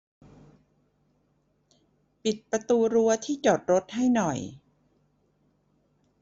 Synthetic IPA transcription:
pi˨˩t̪̚pɾa˧t̪uː˧ɾu˧˥ɐt̪ʰiː˥˩t͡ɕo˨˩t̪̚ɾo˦˥t̪̚ha˥˩jnɔ˨˩j

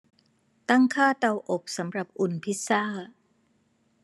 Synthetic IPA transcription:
t̪a˥˩ŋkʰaː˥˩t̪a˧wʔo˨˩k̚sa˩˦mɾa˨˩p̚ʔu˨˩npʰi˦˥t̪̚saː˥˩

